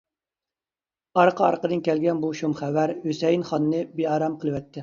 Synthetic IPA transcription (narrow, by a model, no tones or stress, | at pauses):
ɑɾqʰəɑ̰ɾqəd̪ɨnkʲɛlɡʲɛnbuʃumχæwæɾhøsɛjinχɑnɨːɨbeɑɾɑmqʰəlˠɨwɛt̪ʰːɪ